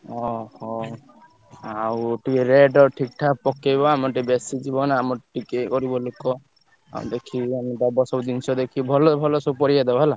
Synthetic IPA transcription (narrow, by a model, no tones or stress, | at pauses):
ɔɔ | awʈikeɾeɖɔʈʰik̚ʈʰapɔkejbɔamɔʈibesid͡ʒibɔnamɔʈikekɔɾibɔlokɔ | a̰ṵd̪ekʰiamɔʈabɔsɔbɔd̪insɔd̪ekʰibʱɔlɔbʱɔlɔsɔpɔɾijad̪ebɔɦɛla